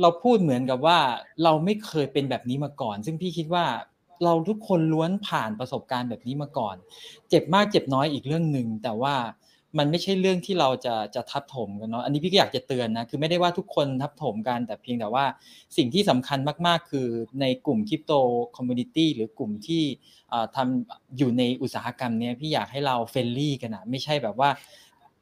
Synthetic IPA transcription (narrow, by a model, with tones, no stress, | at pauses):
ɾa˧wpʰuː˥˩t̪̚mɯ˩˦ənka˨˩p̚waː˥˩ɾa˧wma˥˩jkʰɤː˧jpe˧nbɛː˨˩p̚niː˦˥maː˧kɔː˨˩nsɯ˥˩ŋpʰiː˥˩kʰi˦˥t̪̚waː˥˩ | ɾa˧wt̪ʰu˦˥kʰːo˧nlu˦˥ənpʰaː˨˩npɾa˧so˨˩p̚kaː˧nbɛː˨˩p̚niː˦˥maː˧kɔː˨˩nt͡ɕe˨˩p̚maː˥˩k̚t͡ɕe˨˩p̚nɔː˦˥jʔiː˨˩k̚ɾɯ˥˩əŋnɯ˨˧ŋt̪ɛː˨˩waː˥˩ | ma˧nma˥˩jt͡ɕʰa˥˩jɾɯ˥˩əŋt̪ʰiː˥˩ɾa˧wt͡ɕa˨˩t͡ɕa˨˩t̪ʰa˦˥p̚t̪ʰo˩˦mka˧nːɔ˦˥ʔa˧ni˦˥pʰiː˥˩˥jaː˨˩k̚t͡ɕa˨˩t̪ɯ˧ənːa˦˥kʰɯː˧ma˥˩jda˥˩jwaː˥˩t̪ʰu˦˥kʰːo˧nt̪ʰa˦˥p̚t̪ʰoː˩˦mka˧nt̪ɛː˨˩pʰi˧əŋt̪ɛː˨˩waː˥˩si˨˩ŋt̪ʰiː˥˩sa˩˦mkʰa˧nmaː˥˩k̚maː˥˩kʰːɯː˧na˧jklu˨˩mkʰi˦˥p̚t̪oː˧kʰɔ˧mːjuː˧ni˧˥t̪iː˥˩ɾɯː˩˦klu˨˩mt̪ʰiː˥˩ | ʔəː˨˩t̪ʰa˧mʔjuː˨˩na˧jʔu˨˩t̪̚saː˩˦a˧ka˧mni˦˥ɐpʰiː˥˩jaː˨˩k̚hɦa˥˩jɾa˧wfe˧lliː˥˩ka˧nʔa˨˩ma˥˩jt͡ɕʰa˥˩jbɛː˨˩p̚waː˥˩